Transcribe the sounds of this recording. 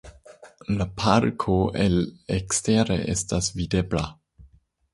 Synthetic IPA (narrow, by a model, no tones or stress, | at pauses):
lapʰaɾkʰoʔeleksteɾḛʔḛstasvidebla